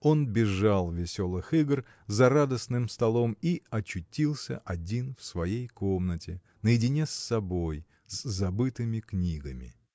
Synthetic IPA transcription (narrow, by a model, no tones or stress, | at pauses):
o̞nbʲɪʐalˠvʲɪsʲo̞lˠɨxɨɡr | zɐɾad̪əsnɨmst̪ɐlˠo̞miɐt͡ɕːʊtʲilˠsʲə̰ʔɐdʲinfsvɐjejko̞mnətʲɪ | nəjɪdʲɪnʲesːɐbo̞j | zzɐbɨt̪ɨmʲɪknʲiɡəmʲɪ̰